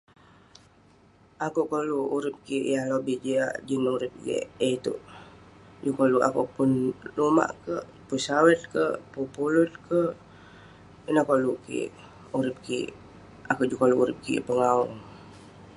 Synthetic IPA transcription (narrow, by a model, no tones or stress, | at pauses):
akuʔkoluuɾip̚kiʔjahlobihd͡ʒia̰ʔd͡ʒənuɾip̚jḛʔeit̪ṵʔ | d͡ʒukoluʔa̰kuʔpʊnluma̰ʔkəʔ | pusawət̪̚kəʔpupulut̪̚kə | ənəkoluʔkḭʔ | uɾip̚kḭʔ | akuʔd͡ʒukoluʔuɾḭp̚kḭʔpəŋauŋ